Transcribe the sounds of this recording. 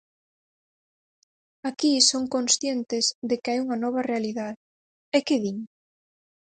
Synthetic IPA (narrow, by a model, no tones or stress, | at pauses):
akisoŋkonsθjent̪ɪzðɪkeajuŋɐnɔβɐrealiðaðɪ | ɛkeðiɲ